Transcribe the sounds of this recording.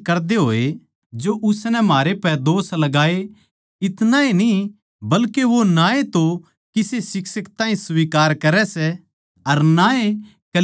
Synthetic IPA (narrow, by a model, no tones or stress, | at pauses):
kɐɾd̪eɦoːe | d͡ʒoʔʊsnɛmaːɾepɛd̪oːslɐɡaːe | ɪt̪naeni | bɐlkeʋonaːet̪o | kɪsesɪksəkt̪ãːĩsʋiːkaːɾkɐɾɛsɛ | ɐɾnaːe | kɐ